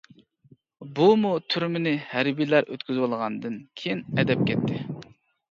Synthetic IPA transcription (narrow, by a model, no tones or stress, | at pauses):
bumut̪ʰyɾmɪnɪhæɾbilæɾʔø̰t̪kʲyzwolˠʁɑnd̪ɨnkʲʰejinɛd̪ɛp̚kʲʰɛt̪ʰːɪ